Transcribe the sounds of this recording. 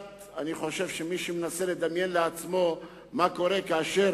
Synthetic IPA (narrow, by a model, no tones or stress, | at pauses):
aniχo̞ʃe̞vʃemiʃemenaseled̪amje̞nleat͡smo̞ | mako̞ʁe̞kaːʃe